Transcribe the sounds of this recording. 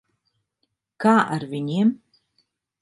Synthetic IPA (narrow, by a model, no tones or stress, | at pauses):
kaːʔa̰ɾvʲiɲiɛm